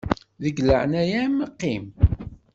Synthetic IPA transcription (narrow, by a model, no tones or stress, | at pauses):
ðəɡlə̰ʕnæjæmqːim